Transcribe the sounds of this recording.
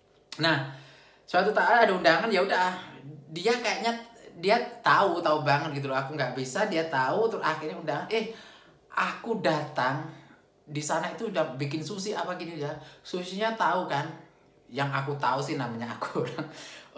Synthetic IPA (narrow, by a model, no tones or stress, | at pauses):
nah | səwat̪ut̪aadaundaŋanjaudaɦadiakajaʔɲadiat̪aut̪aubaŋət̪̚ɡit̪̬ulɔakuŋɡaʔbisadiat̪aut̪ɾʊaxɪrɲaundaŋanɛh | ʔakudat̪aŋ | disanait̪udahbikɪnsusiapaɡiniijasusiɲat̪aukan | jaŋakut̪ausɪhnamaɲaa̰ku̥da